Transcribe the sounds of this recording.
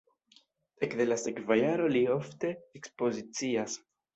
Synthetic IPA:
ekðelasekvajaɾolioft̪eːkspozit͡sias

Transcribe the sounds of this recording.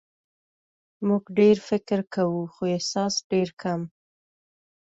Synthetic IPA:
muɡɖeɾfɪkɾkawuxoehsɑsɖeɾkʰam

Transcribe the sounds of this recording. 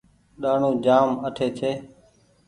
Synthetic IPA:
ɗaːɳũːd͡ʒaːməʈʰeːt͡ʃʰeː

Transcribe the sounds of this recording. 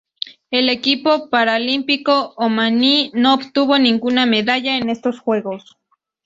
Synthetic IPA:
elekipopaɾaolimpikoːmaninoːpt̪uβoniŋɡunameðaʎaenest̪osxweɣos

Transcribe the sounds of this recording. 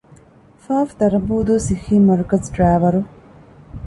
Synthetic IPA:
faːft̪ɐɾbuːd̪usiximɐɾkɐzɖɾaːvɐɾu

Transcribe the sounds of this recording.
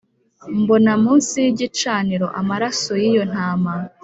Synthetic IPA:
mbo̞namuːnsijiɟit͡ʃaːniɾo̞ʔamaɾasojijo̞n̥haːma

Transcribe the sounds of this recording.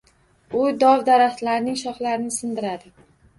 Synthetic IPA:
ʊjd̪ɒwd̪aɾat̪laɾnɪŋʃɒχlaɾɪnɪsɪnd̪ɪɾad̪ɪ

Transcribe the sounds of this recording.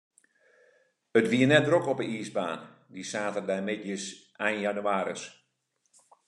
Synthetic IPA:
ətʋiənɛt̚drokɔpəiːsba̰ːn | disaːtərdɛjmɪdjəsʔɛjnjanyaːɾə̰s

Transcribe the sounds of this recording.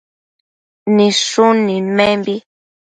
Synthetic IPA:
niʂunimembi

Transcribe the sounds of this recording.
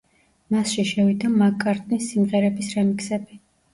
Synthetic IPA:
masʃiʃɛvid̪amakʼaɾt̪ʼnisːimʁɛɾɛbisɾɛmikʰsɛbi

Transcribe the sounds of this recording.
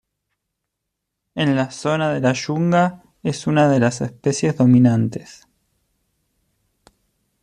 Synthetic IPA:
enlaso̞naðe̞laʃuŋɡa | esunaðe̞lasespe̞sje̞zðo̞minant̪e̥s

